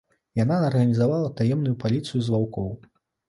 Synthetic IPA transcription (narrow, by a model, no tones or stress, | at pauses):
janaːrɣɐnʲizavalˠɐt̪ajɛmnujupalʲit̪sɨjuzvawkɔw